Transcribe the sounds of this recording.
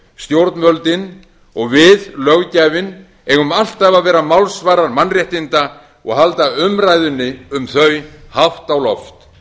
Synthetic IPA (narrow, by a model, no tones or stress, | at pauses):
st̪jowɾt̪nmœlt̪ɪn | ɔɣvɪðlœɣcajvɪn | ɛɣʏmal̥t̪ɛvavɛːɾamawlsvaːɾaɾmanrjɛht̪ɪnt̪a | ɔ̰ɣhalt̪aʏmrajðʏnːɪʏmθœɥhaft̪awlɔft̪